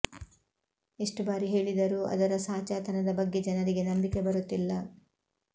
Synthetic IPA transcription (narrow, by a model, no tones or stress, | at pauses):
eʂʈubaːɾiɦe̞ːɭid̪ɐɾuʔɐ̰d̪ɐɾɐsaːt͡ʃaːt̪ɐnɐd̪ɐbɐɡːe̞d͡ʒɐnɐɾiɡe̞nɐmbike̞bɐɾut̪ːilːɐ